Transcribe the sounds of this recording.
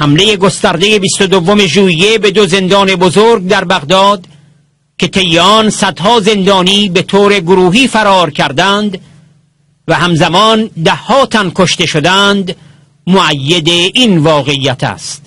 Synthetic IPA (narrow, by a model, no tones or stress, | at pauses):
hæmle̞je̞ɡo̞st̪æɾd̪e̞je̞bist̪od̪ovːome̞ʒuːije̞be̞d̪oze̞nd̪ɒːne̞bozoːɾɡ̚d̪æɾbæɣd̪ɒːd̪ | kʰe̞t̪ʰe̞jeɒnsæd̪hɒːze̞nd̪ɒːniːbe̞t̪ʰoːɾe̞ɡoɾuːɦiːfæɾɒːɾkʲʰæɾd̪ænd̪ | væɦæmzæmɒːnd̪æhːɒːt̪ʰænkʰo̞ʃt̪e̞ʃod̪ænd̪ | moʔæjːed̪eʔinvɒːɣe̞iːjæt̪ʰæ̰ːst̪